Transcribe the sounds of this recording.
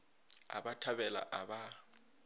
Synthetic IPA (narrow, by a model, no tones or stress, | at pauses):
a̰batʰabɛla̰ʔaba